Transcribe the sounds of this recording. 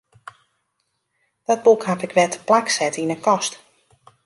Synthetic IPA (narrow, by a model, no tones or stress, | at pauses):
d̥ɔt̚bukhapɪkʋɛtə̥plaksɛtinəkɔst